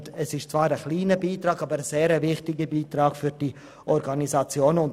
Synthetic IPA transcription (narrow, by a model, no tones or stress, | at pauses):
ɛsɪʃt͡svɑːɾəχliːnəbiːtɾɑːɡɑːbəɾəz̥eːɾəvɪχtɪɡəbiːtɾɑːɡ̥fyɾd̥i | ʔɔɾɡɑnisɑt͡sjoːnʊn